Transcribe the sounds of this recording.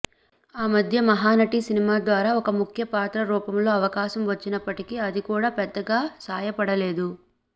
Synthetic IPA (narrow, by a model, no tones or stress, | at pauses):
aːmɐd̪ʱjɐmɐɦaːnɐʈisinimaːd̪ʋaːɾaːɔkɐmukʰjɐpaːt̪ɾɐɾuːpɐmlo̞ːɐʋɐkaːʃɐmʋɐt͡ʃːinɐpːɐʈikiɐd̪ikuːɽaːpɛd̪ːɐɡaːsaːjɐpɐɽɐle̞ːd̪u